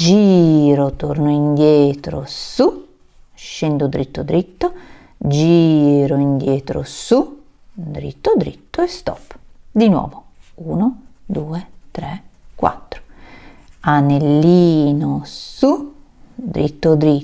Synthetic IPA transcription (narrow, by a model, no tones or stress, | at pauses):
d͡ʒiːɾot̪ornoind̪jɛːt̪ɾo̰su | ʃɛnd̪od̪ɾit̪ːod̪ɾit̪ːo | d͡ʒiːɾoind̪jɛːt̪ɾo̰su | d̪ɾḭt̪ːod̪ɾḭt̪ːoest̪ɔ̰pːd̪inwɔ̰ːvo | uːnod̪uːet̪ɾɛkwa̰t̪ːɾo̥ | anelːiːnosu | d̪ɾit̪ːod̪ɾi